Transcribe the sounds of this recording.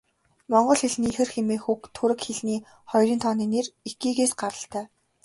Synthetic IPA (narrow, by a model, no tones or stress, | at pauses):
mɔɴɢɞ̆ɮxeɮ̆niːxɘ̆rxemeːxukt̪ʰːuɾɘ̆kxeɮniː | χɔjrʲiːnt̪ʰɔːniːneritɡiːɣeːsɢaɾə̆ɬt̪æː